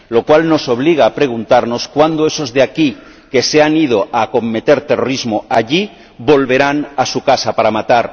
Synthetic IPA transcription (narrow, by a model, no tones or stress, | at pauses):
lo̞kwalno̞so̞β̞liɣaːpɾe̞ɣ̞unt̪aɾno̞skwand̪oe̞so̞zðeaki | ke̞seanið̞o̞ʔako̞mːe̞t̪e̞ɾt̪eroɾizmoaʎi | βo̞lβe̞ɾanasukasapaɾamat̪aɾ